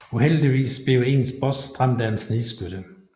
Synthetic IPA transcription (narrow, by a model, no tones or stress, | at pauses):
uhel̰d̥iʋḭːsb̥eʊe̝̰ːnsb̥ɒ̽sd̥ʁɑm̰d̥ænsnisɡ̥ød̥ə